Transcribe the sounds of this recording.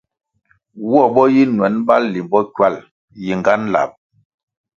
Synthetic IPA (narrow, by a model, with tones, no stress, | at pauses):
wɔ˦˨bɔ˦ji˦nwɛ˨˦nba˦lli˨mbɔ˦kwa˦˨l | ji˨ŋɡa˦n˦la̰˨p̚